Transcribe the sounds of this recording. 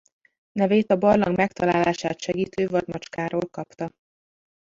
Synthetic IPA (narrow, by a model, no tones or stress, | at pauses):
nɛveːt̪ɒbɒrlɒŋɡmɛkt̪ɒlaːlaːʃaːt̪ʃɛɡiːt̪øːvɒd̪mɒt͡ʃkaːɾoːlkɒpt̪ɒ